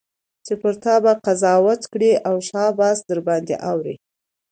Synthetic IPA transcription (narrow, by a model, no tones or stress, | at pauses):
t͡ʃepəɾt̪ɑbaqazɑwat̪kɽiʔawʃɑbɑsd̪əɾbɑnd̪ḛʔawɾḭ